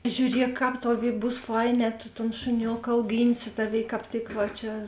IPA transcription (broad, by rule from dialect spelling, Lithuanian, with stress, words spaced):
ʒʲuːˈrʲiɛk ˈkɑːp ˈtɑːˌʋʲeːɪ ˈbuːs ˈfɐɪˌnʲɛː tʊ toːn ʃʊˈnʲoːkɐ ɐʊˈɡʲiːnʲsʲɪ ˈtɑːˌʋʲeːɪ kɑːp ˈtʲɪk ʋɐ ˈt͡ʃʲɛ